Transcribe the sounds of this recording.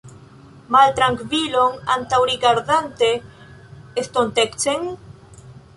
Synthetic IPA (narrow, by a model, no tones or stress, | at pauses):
malt̪ɾaŋkviloŋant̪awɾiɡaɾðant̪e | est̪ont̪ekt͡seŋ